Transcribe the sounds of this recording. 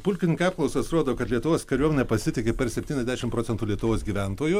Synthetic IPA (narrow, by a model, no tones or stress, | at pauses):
pʊlʲkʲɪnʲɪŋkɐɑːpklˠɐʊsɐsɾoːd̪oːkɐt̪lʲiɛt̪ʊʋoːskɐɾʲuɔmʲenʲɛpɐsʲɪt̪ʲɪkʲepʲɛɾsʲɛpʲt̪ʲiːnʲɛzdʲæɛʃɪmpɾoːsʲɛnt̪uːlʲiɛt̪ʊʋoːsɡʲiːʋʲænt̪oːjʊ